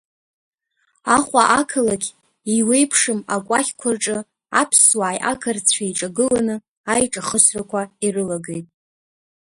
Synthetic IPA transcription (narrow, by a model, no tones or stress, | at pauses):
aχʷʼaʔakʰɨlaɡʲ | iwe̞jpʰʂɨmakʷʼaχʲkʷʰarʈ͡ʂʼɨ | a̰pʰswaːjʔa̰kʰart͡sʷʰajʈ͡ʂʼaɡɨlanɨ | ajʈ͡ʂʼaχəsrakʷʰairɨlaɡejtʼ